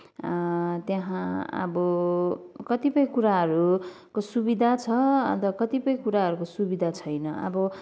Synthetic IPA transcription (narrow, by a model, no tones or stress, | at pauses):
t̪jaɦãʌ̰bʌ | kʌt̪ipʌjkuɾaɦʌɾu | kosubid̪ʱat͡sʰʌʌ̰t̪ʌkʌt̪ipʌjkuɾaɦʌɾukosubid̪ʱat͡sʰʌjnʌʌ̰bʌ